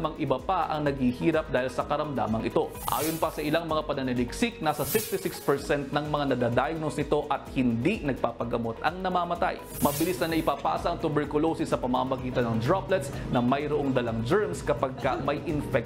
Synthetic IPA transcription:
mɐŋʔɪbɐpɐʔɐ̰ŋnɐɡhihiːɾɐp̚d̪aːhɪlsɐkɐɾɐmd̪a̰ːmɐŋɪ̰t̪o̞ | ʔa̰ːjonpɐsɐʔɪlaŋmɐŋapɐnɐnɪlɪksɪk̚naːsɐsɪkst̪ɪsɪkspɛɹsɛnt̪̚nɐŋmɐŋanɐd̪aːd̪aːjɐɡnosnɪt̪o̞ʔɐt̪̚hɪnd̪inɐɡ̚paːpɐɡɐmo̞t̪ʔɐŋnɐmaːmɐt̪a̰j | mɐbɪlisnɐnɐʔɪpaːpa̰ːsɐʔɐŋt̪ʊbɛɹkʊlosɪsɐpɐmamɐɡiːt̪ɐnɐŋd̪ɹaplɛt̪snɐmɐjɾoʔoŋd̪ɐlɐŋd͡ʒɛɹmskɐpɐɡ̚kɐmɐjʔɪnfɛk̚

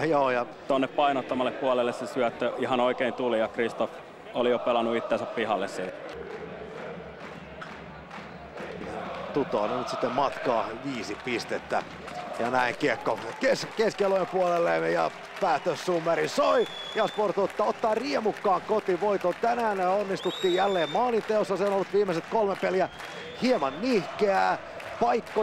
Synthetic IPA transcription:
joːjɑ | t̪onːeppɑinot̪ːɑmɑlːeppuɑlelːessesyæt̪ːøihɑnoikeint̪ulijɑkrist̪of | olijopelɑnːuit̪ːensæppihɑlːessiːt̪ | t̪ut̪oːnenyt̪si̥t̪ːemmɑt̪kɑːʋiːsippist̪et̪ːæ̰ | jɑnæiŋkiekːokeskeskeløimpuolelːemejɑ̰ | pæːt̪øsːumːeɾisoijɑsport̪ot̪ːɑot̪ːɑːriemukːɑːŋkot̪iʋoit̪ot̪ænæːnneonːist̪ut̪ːiːjjælːeːmmɑːlint̪eosːɑseonolːut̪ʋiːmːeset̪kolmepeliæ | hiemɑnnihkeæː | pɑikːo

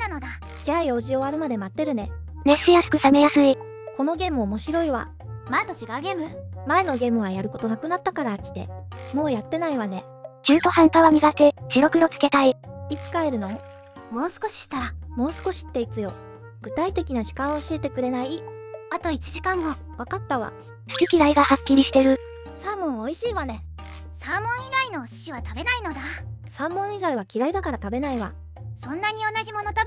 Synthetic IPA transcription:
anod̪a | d͡ʑajo̞ːʑio̞βaɾɯ̟mad̪e̞mat̪ːe̞ɾɯ̟ne̞ | neɕijasɨ̥kɯ̟same̞jasɨi | ko̞no̞ɡʲe̞ːmɯomo̞ɕiɾo̞iβa̰ | maet̪ot͡ɕiɡaɯ̟ɡe̞ːmɯ̟mae̞no̞ɡe̞ːmɯ̟βajaɾɯ̟ko̞t̪o̞nakɯ̟nat̪ːakaɾakʲi̥t̪e̞̰mo̞ːjat̪ːe̞naiβane̞ | t͡ɕɨːt̪o̞hãnt̪aβamʲiɡat̪ekiɾo̞kɯ̟o̞t͡sɨ̥ke̞t̪aiit͡sɨ̥kaeɾɯ̟no̞ | mo̞ːsɨ̥ko̞ɕi̥ɕi̥t̪aɾamo̞ːsɨ̥ko̞ɕi̥t̪ːe̞it͡sɨjo̞̰ | ɡ̥ɯ̟t̪ait̪e̞kʲinaʑi̥kãɰ̃oɕiːt̪e̞kɯ̟ɾe̞nai | at̪o̞it͡ɕiʑikãŋɡo̞ | βakat̪ːaβa̰ | sɯ̥kʲikʲiɾaiɡahakʲːiɾʲiɕi̥t̪e̞ɾɯ̟ | sãmːõ̞ɰ̃oiɕiːβane̞ | sãmːõ̞ɰ̃iɡaino̞ɕi̥ɕiβ̞at̪abe̞naino̞d̪asãmːõ̞ɰ̃iɡaiβakʲiɾaid̪akaɾat̪abe̞naiβa̰ | sõ̞nːaɲ̟io̞naʑimo̞no̞t̪a

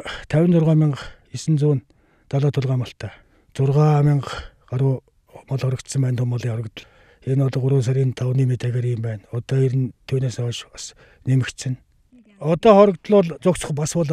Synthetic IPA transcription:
t̪ʰæwʲɪ̆nt͡sʊrʁaːmʲɪɴɢ | isɘ̆nt͡suːn | t͡s̪aɮɔːt̪ʰʊɮʁaːmɔɬt̪ʰaː | t͡sʊrʁaːmɪɴɢ | ɢaɾʊː | mɔɮχɔɾə̆kt̪sə̆mpæːnt̪ʰʊmɔɮiːŋχɔɾə̆kt̪ə̆ɮ | enɔɮʊɾʊːs̬æɾʲiːnt̪ʰawniːmet̪æːɣeːɾɪmpæːnɔt̪ɔːiɾɘ̆nt̪ʰuːneːsɔʃas | nemɘ̆kt̪sɘ̆n | ɔt̪ɔːχɔɾə̆kt̪ɮʊːɮt͡sʊkt͡sə̥̆χpaspʊɮ

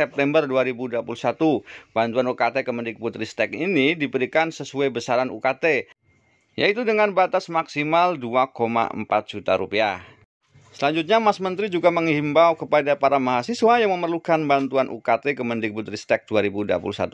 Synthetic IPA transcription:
ɛp̚t̪ɛmbərduaɾibuduapulusat̪ub̥ant̪uanukat̪ekəməndɪk̚but̪ɾist̪ɛkinidibəɾikansəsuajbəsaɾanṵkat̪e | ja̰it̪udəŋanbat̪asmaksimalduakoma̰ə̰mpat̪̚d͡ʒ̥ut̪a̰ɾupia | səlaɲd͡ʒut̪̚ɲamasmənt̪ɾid͡ʒuɡaməŋhimbawkəpadapaɾamaɦasiswajaŋməmərlukanbant̪uanʔṵkat̪ekəməndɪk̚but̪ɾist̪ɛk̚duaɾibudua̰pṵlusa̰t̪u

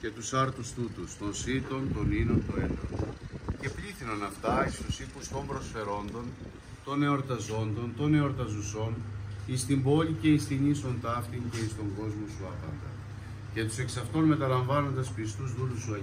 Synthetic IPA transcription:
ce̞t̪usɐɾt̪ust̪ut̪ust̪onsit̪o̞nt̪o̞ninont̪oelo̰nce̞pliθinonɐft̪ɐist̪usipust̪o̞mbɾo̞sfe̞ɾo̞nd̪o̞n | t̪o̞ne̞oɾt̪ɐzo̞nd̪o̞nt̪o̞ne̞oɾt̪ɐzuso̞nist̪imbo̞lʲice̞ist̪inist̪o̞nt̪ɐft̪iɲce̞ist̪o̞ŋɡo̞zmosuɐpɐ̰nd̪ɐ̰ | ce̞t̪u̥se̞ksɐft̪onme̞t̪ɐlɐɱvɐno̞nd̪ɐspist̪uzðulusuɐ

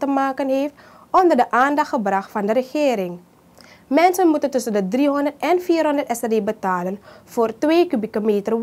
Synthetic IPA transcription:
təmaːkənɦeːft | ʔɔndərdəʔaːndɑxtχəbrɑxtfɑndəɾəχɪːɾɪŋ | mɛnsənmutəntɵsəndədriɦɔndərtɛnfiːrɦɔndərtɛsɛdeːbətaːlənv̥oːrtʋeːkybikomeːtər

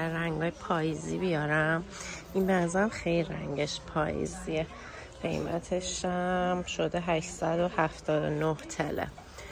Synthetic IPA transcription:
ræŋɡɒːjepʰɒːjizibijɒɾæminbæzæmxejliɾæŋɟeʃpʰɒ̰ːjḭzie | ɢ̥e̞̰jmæ̰t̪ʰeʃæmʃod̪eɦæʃsæd̪o̞hæft̪ʰɒːd̪o̰noht̪ʰḛlḛ

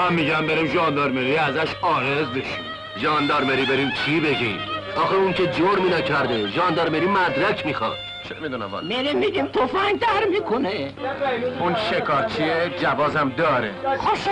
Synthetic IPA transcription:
mæmːiːɟæmbeɾimʒɒːnd̪ɒɾmeɾiæzæʃɒːɣezb̪eʃim | ʒɒːnd̪ɒːɾmeɾiːbeɾimt͡ʃʰibeɟiːmɒːxeuŋcʰed͡ʒoɾminɒcʰæɾd̪eʒɒːnd̪ɒːɾmeɾiːmæd̪ɾæcʰmixɒ̰d̪ | t͡ʃʰḛmid̪unæ̰m̰menemiɡimt̪ʰofæŋɡd̪æɾmikʰone | unʃekʰɒːɾt͡ʃʰied͡ʒævɒːzæmd̪ɒːɾḛxoʃ

